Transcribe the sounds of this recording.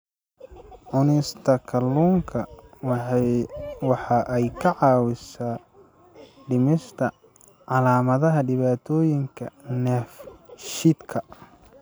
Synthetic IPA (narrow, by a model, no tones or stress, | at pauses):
ʕʊnɪst̪ʰɐkʰɐluːŋkʰɐ | wɑħɑʔɛjkʰɐʕɑːwɪsaː | ɖɪmɪʃt̪ʰɐ | ʕɑlaːmɐðɐɦɐɖɪβaːt̪ʰɔːjɪŋkʰɐ̰nɛːfʃɪd̪kʰɐ